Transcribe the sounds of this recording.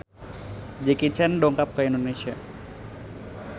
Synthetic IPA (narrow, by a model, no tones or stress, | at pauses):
d͡ʒikit͡ʃɛndoŋkap̚kəindoneʃia